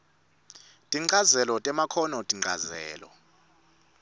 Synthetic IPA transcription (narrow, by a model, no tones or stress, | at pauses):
tʼiŋ͡ǀazɛlɔtʼɛmakʰɔnɔtʼiŋ͡ǀʱa̰zɛ̰ːlɔ̰